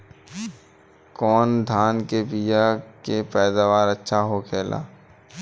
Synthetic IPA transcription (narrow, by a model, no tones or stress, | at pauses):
kɔːnd̪ʱaːnkebijakepɛːd̪aːʋaːɾətːʃʰaɦokʰeːla̰ː